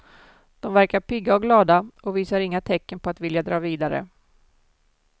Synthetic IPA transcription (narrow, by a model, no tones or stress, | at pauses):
d̪̥ɔmvæɾkaɾpɪɡːaɔɡlɑːd̪aɔviːsaɾɪŋːat̪ʰɛkːənpʰɔat̪vɪljad̪ɾɑːviːd̪aɾə̰